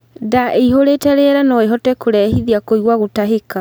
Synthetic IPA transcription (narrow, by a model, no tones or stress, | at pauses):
daʔeiɦoɾeːtɛɾeɾanɔeɦɔtɛkoɾɛhiðiakoiɣwaɣotaɦeka